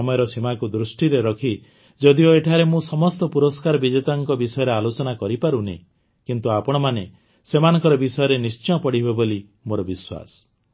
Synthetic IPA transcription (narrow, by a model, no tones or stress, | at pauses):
ɔmɔjɔɾɔsimakud̪ɾusʈiɾeɾɔkʰi | d͡ʒɔd̪ioeʈʰaɾemũsɔmɔst̪ɔpuɾɔskaɾɔbid͡ʒet̪aŋkɔbisɔjɔɾealot͡ʃɔnakɔɾipaɾunḛ | kint̪uapɔɽ̃ɔmane | semanɔ̃ŋkɔɾɔbisɔjɔɾenist͡ʃɔ̃pɔɽibeboli | moɾɔbiswa̰sɔ̥